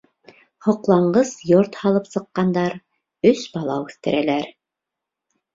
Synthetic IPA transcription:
hŏqlˠɑɴɢɤzjoɾt̪hɑlˠɤpsɤ̆qːɑnd̪ɑɾ | ɵsbɑlˠɑwʉθt̪ɘ̰̆ɾælæɾ

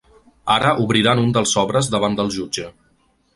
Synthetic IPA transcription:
aɾəʔuβɾiɾanund̪əlˠzɔβɾəzðəβand̪əlˠʒud͡ʒə

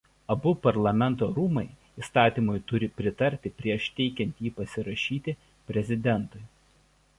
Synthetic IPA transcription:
ɐbʊpɐɾlˠɐmʲɛnˑt̪oːɾuːmɐɪ | ist̪ɑːt̪ʲiːmʊjt̪ʊɾʲɪpʲɾʲɪt̪ɐɾʲt̪ʲɪpʲɾʲiɛʃt̪ʲɛɪkʲɛnʲt̪ʲjiːpɐsʲɪɾɐʃʲiːt̪ʲɪ | pʲɾʲɛzʲɪd̪ʲɛnˑt̪ʊɪ

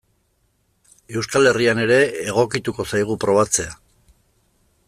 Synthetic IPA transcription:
e̞wskale̞riane̞ɾe̞ːɣ̞o̞kit̪uko̞sajɣ̞upɾo̞β̞at͡se̞a

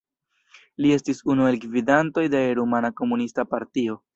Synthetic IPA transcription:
lie̞stisunue̞lkvidanto̞jde̞ɾumanako̞munistapaɾtio̞

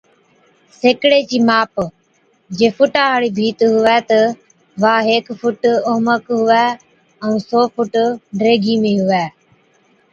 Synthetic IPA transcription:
seːkɽeːt͡ʃiːmaːp | d͡ʒeːfʊʈaːaːɽiːbʱiːt̪ɦʊɛːt̪ə | ʋaːɦeːkfʊʈoːməkɦʊʋɛː | əũːsoːfʊʈɖɾeːɡʱiːmẽːɦʊʋɛː

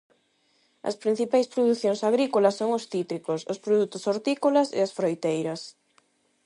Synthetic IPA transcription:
ɐ̰spɾĩn̟θipajspɾoðuθjoŋsaɣɾikolɐsːoŋʊsθit̪ɾikosʊspɾoðut̪ʊsoɾt̪ikolɐsḛɐsfɾojt̪ejɾɐs

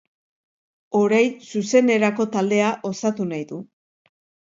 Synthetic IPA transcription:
o̞ɾajnsuse̞ne̞ɾako̞t̪ald̪e̞aʔo̞sat̪unajðu

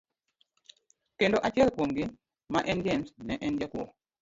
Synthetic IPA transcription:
kendoʔat͡ʃiɛlpwomɡɪ | maʔɛnd͡ʒɛmsnɛʔɛnd͡ʒakwɔ̰

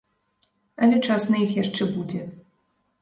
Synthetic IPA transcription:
ɐlʲɛt͡ʂasnɨjixjaʂt͡ʂɛbud͡zʲɛ

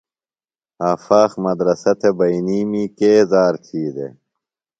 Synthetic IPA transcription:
aːfaːxmɐd̪ɾɐsɐt̪ʰebɐiniːmiːkeːzaːɾkʰiːd̪ḛ

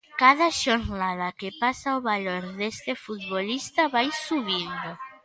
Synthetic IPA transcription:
kaðaʃoɾnaðakepasaoβaloɾðest̪efut̪̚βolist̪aβajsuβind̪o

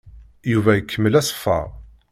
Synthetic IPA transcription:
juvæjəkʰːəmːəlæsfːɑ̰ʁ

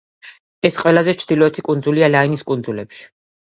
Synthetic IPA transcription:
ɛsqʼwɛlazɛt͡ʃʰd̪ilɔɛt̪ʰikʼund̪zulialainiskʼund̪zulɛpʃi̥

